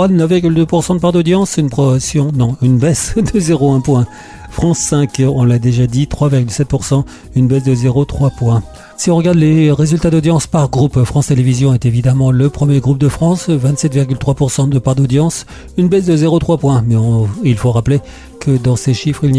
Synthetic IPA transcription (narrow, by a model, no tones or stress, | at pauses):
anəfviʁɡʲyld̪øpuʁsɑ̃d̪əpaʁd̪od̪jɑ̃synpχɔsjɔ̃nɔ̃ynbɛsd̪əzeʁoɛ̃pwɛ̃ | fχɑ̃sːɛ̃kɔ̃lad̪eʒad̪it̪χwaviʁɡʲylsɛt̪̚puʁsɑ̃ | ynbɛsd̪əzeʁot̪χwapwɛ̃ | siɔ̃ʁəɡaʁd̪leʁezylt̪ad̪od̪jɑ̃spaʁɡʁupfχɑ̃st̪elevizjɔ̃ɛt̪evid̪amɑ̃ləpχəmjeɡʁup̚d̪əfχɑ̃svɛ̃t̪sɛt̪viʁɡʲylt̪χwapuʁsɑ̃d̪əpaʁd̪od̪jɑ̃s | ynbɛsd̪əzeʁot̪χwapwɛ̃mɛɔ̃ilfoʁaple | kəd̪ɑ̃seʃifχiln